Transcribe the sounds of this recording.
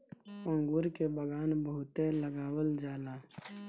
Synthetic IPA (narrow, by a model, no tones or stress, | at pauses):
pə̃ŋɡuɾkebəɡaːnbəɦʊt̪eləɡaːwəld͡ʒaːlaː